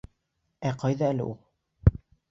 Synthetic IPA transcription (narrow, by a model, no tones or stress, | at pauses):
æqɑjðɑælɘ̰ʔulˠ